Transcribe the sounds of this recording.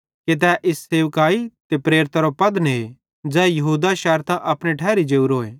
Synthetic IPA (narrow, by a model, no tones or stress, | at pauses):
ket̪̬ɛːʔɪsːeːʋkaːit̪epɾeːɾɪt̪aɾopɐd̪n | d͡ʒɛːjɐɦuːd̪aʃɛːɾt̪ãʔɐpɽ̃eʈʰɛːɾid͡ʒeːuɾoːeː